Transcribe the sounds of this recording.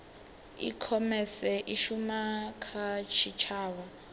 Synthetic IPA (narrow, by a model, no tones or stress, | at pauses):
ḭkʰɔmɛsɛʔiʃumakʰat͡ʃʰit͡ʃʰaːwa